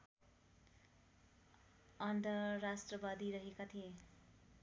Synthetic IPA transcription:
ʌnd̪ʌrasʈrʌbad̪iɾʌɦekat̪ʰie

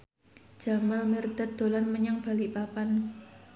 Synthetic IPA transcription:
d͡ʒ̥a̤malmərd̪̥at̪̚d̪̥o̤lanməɲaŋb̥a̤lipapan

